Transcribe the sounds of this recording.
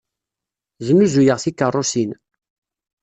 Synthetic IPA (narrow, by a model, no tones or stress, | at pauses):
zəmːuzujəʁθikːərˤːusin